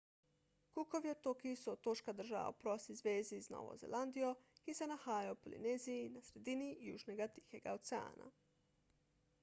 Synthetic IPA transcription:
kukoʋiot̪okiisuot̪oʃkad̪r̩ʒa̰ʋa̰upɾosizʋeːzizno̰ʋo̰zḛlˠʔand̪io̞isenahaːjopolḭneːzijinasɾe̞d̪inijṵːʒneɡat̪i̥xeɡaot̪sea̰ːnʔa̰

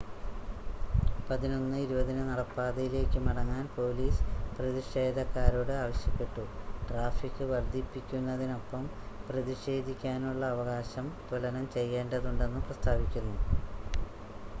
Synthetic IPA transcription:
pɐðino̞nːɨiɾubɐðinɨnɐɽɐpːaːd̪ɐjile̞ːkʲːɨmɐɽɐŋːaːnpo̞ːliːsprɐðiʂe̞ːd̪ɐkːaːɾuːɽeaːʋɐɕjɐpːe̞ʈːuʈraːfikːɨʋɐrd̪ipːikʲːunːɐðino̞pːɐmprɐðiɕe̞ːd̪ʱikʲːaːnuɭːɐːʋɐɣaːɕɐmt̪ulɐnɐmt͡ɕe̞jːe̞ːɳɖɐðuɳɖe̞nːɨprɐst̪ʰaːbikʲːunːu

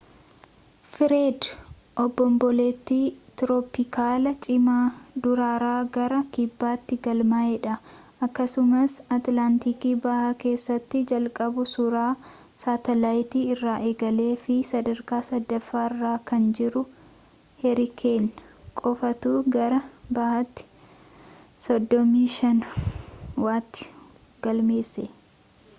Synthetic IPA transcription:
fɪɾeːd̪ | ʔɔbːɔmbɔleːt̪ːiːt̪ɾopɪkaːlɐt͡ʃʼɪmaːd̪ʊɾaːɾaːɡɐɾɐkɪbːaːt̪ːɪɡɐlmaːɛᶑɐʔɐkːɐsʊmɐsɐt̪laːnt̪iːkiːbɐʔaːke̞ːsːɐt̪ːɪd͡ʒɐlkʼɐbʊsʊɾaː | saːt̪ɐlaːjt̪iːɪrːaːʔeːɡɐle̞ːfɪsɐd̪ɐɾkaːsɐd̪ːɐfːaːɪrːaːkɐnd͡ʒɪɾʊ | hɛɾɪkʰeːn | kʼɔfɐt̪uːɡɐɾɐbɐhɐt̪ːɪ̥ | sɔd̪ːɔmiːʃɐn | waːt̪ːɪ̥ | ɡ̥ɐlme̞ːsːe

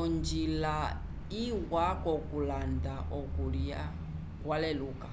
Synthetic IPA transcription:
ɔnd͡ʒila | iwakɔkulandaʔɔkuɺia | kwalɛluːka

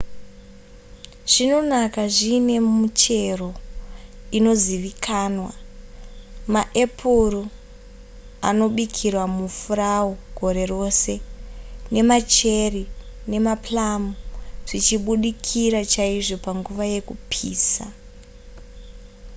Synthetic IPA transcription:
ʐ̥ino̞nakaʐine̞mut͡ʃe̞ro̞ | ino̞ziʋikʰaːnwa | maʔe̞pʰuru | a̰no̞ɓikʰirwamufuraoɡʱo̞ɾe̞ro̞se̞ | ne̞mat͡ʃe̞rine̞maplamuʐ̥it͡ʃiɓuɗikʰiɾat͡ʃaiʐo̞paŋɡuʋaje̞kupʰḭːsa̰

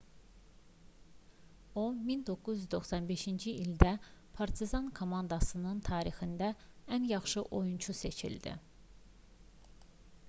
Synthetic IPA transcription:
omind̪o̞kːuzyzd̪o̞xsɑnbe̞ʃind͡ʒiild̪æpʰɑɾt̪ʰizɑnkʰo̞mɑnd̪ɑsɯnɯnt̪ʰɑːɾixind̪æænjɑχʃɯʔo̞junt͡ʃʰuse̞t͡ʃʰḭld̪ḭ

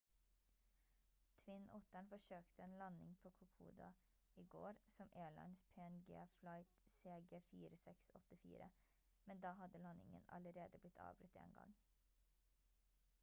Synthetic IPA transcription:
t̪ʰʋɪnʊt̪æɳfɔʃøːkt̪əeːnlɑnɪŋpʰoːkʰʊkʰṵːd̪ɑ̰ | iːɡo̰ːɾsɔmʔeːɭɑ̰ɪnspʰeːɛnɡḛːflɑɪt̪seːɡeːfiːɾəsɛksɔ̰t̪əfḭːɾə̰ | mɛnd̪ɑːhɑd̪əlɑnɪ̰ŋə̰nɑ̰ləɾeːd̪əblɪt̪ʰɑ̰ːbɾʉt̪ḛːnɡɑ̰ŋ

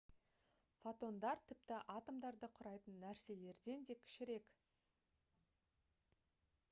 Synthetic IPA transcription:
fot̪o̞nd̪ɑɾt̪ʰɪp̚t̪ɪʔɑt̪omd̪ɑɾd̪əqʰʊɾɑjt̪ənːæɾse̞le̞ɾd̪e̞nd̪e̞kʲʰɪ̥ʃɪɾe̞kʲ

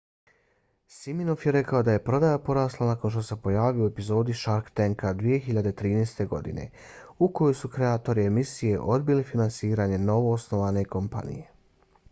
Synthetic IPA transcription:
siminofjeɾe̞kaod̪aje̞pɾo̞d̪ajapo̞ɾaːslˠanako̞nʃ̬t̪o̞se̞po̞jaːʋioe̞pizo̞ːd̪iʃaɾkt̪eŋkad̪ʋije̞xiʎad̪et̪ɾiːneːst̪e̞ɡo̞̰d̪ḭne̞̰ | uko̞jojsukɾe̞aːt̪o̞ɾiemisije̞ʔo̞d̪̚bilifinansiːɾaːɲe̞no̞ʋo̞ːsno̞ʋaːne̞ko̞mpa̰nḭje̞

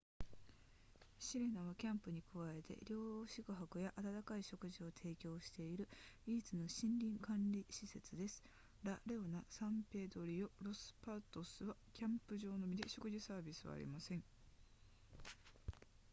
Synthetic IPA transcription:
ɕiɾe̞naβakʲãmpɯ̟ɲ̟ikɯ̟βae̞t̪e̞̰ɾʲo̞ːɕikɯ̟ɦakɯ̟jaʔat̪at̪akaiɕo̞kɯ̟ʑio̞t̪ʰe̞ːkʲo̞ːɕi̥t̪e̞iɾɯ̟iːt͡sɨno̞ɕĩnɾʲĩŋkãnɾʲiɕise̞t͡sɨd̪e̞sɨ̥ | ɾaɾeonasãmpe̞ːd̪o̞ɾʲio̞ɾo̞sɨ̥pat̪o̞sɨβakʲãmpɯ̟ʑo̞ːno̞mʲid̪e̞ɕo̞kɯ̟ʑisaːbʲisɨβa̰ːɾʲḭmasẽ̞ŋ

